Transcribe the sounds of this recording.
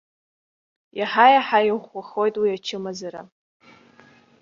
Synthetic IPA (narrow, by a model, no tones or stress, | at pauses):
jʔaħajaħajχʷaχojtʼwiat͡ʃʰɪmazaɾa̰